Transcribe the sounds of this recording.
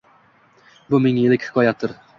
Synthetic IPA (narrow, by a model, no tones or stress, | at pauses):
bʊmɪŋelɪkʲhɪ̥kʰɒjat̪ʰːɪɾ